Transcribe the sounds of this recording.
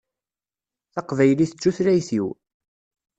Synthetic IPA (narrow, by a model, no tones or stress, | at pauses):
θɑqvæjliθət͡sːuθɾæjθiw